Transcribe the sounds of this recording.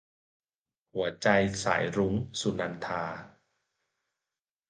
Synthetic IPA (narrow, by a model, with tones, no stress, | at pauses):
hu˩˦ɐt͡ɕa˧jsa̰ː˩˦jɾu˦˥ŋsu˧na˧nt̪ʰaː˧